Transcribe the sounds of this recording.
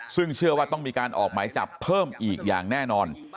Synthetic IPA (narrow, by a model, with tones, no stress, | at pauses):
sɯ˥˩ŋt͡ɕʰɯ˥˩ɐwaː˥˩t̪ɔ˥˩ŋmiː˧kaː˧nʔɔː˨˩k̚maː˩˦jt͡ɕa̰˨˩pʰːɤː˥˩mʔiː˨˩k̚ja̰ː˨˩ŋnɛː˥˩nɔː˧n